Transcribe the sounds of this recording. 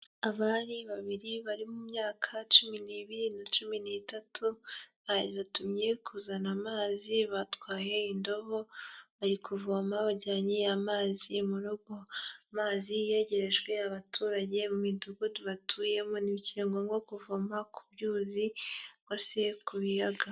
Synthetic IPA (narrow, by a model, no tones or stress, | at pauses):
aβaːniβaβiɾiβaɾimumɲaːkʰat͡ʃuminiβiɾinat͡ʃuminiːtatʰuβaɾiβatumɲe̞kʰuzanamaːziβatwaːje̞indo̞βo̞βaɾikʰuvomaβaɟaːɲijamaːzimuɾuɡo̞amaːzijeɟe̞ɾe̞ʒwe̞aβatʰuːɾaɟe̞mumiduɡuduβatʰuːje̞moniβciɾeːŋɡoŋɡokuvomakʰubjuːziɡose̞kuβijaɡa